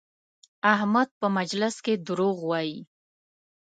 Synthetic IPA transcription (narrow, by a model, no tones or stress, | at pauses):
ahmad̪̚pəmad͡ʒlɪsked̪ʊɾoɣwɑji